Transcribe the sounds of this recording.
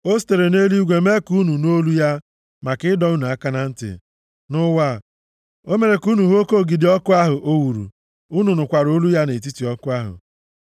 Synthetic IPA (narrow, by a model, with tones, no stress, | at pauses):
o˦s̬te˨ɾe˨ne˦li˦ɡʷe˨me˦ku˦nu˨no˦lu˦ja˦ | ma˨kɪ˦dɔ˨˦na˨a˦ka˦na˦n̩˦tɪ̰˨ | nʊ˦wa˦˨ | o˦me˨ɾe˨ku˦nu˨ɦo˦ko˦˨ɡi˨dɪ˨˦ɔ˦kʊ˦a˦ɦʊ˨ʔo˦wu˨ɾṵ˨ | u˦nu˨nʊ˨kʷa˨ɾo˦lu˦ja˦ne˨t̬i˦ti˨ɔ˦kʊ˦a˦ɦʊ̰˨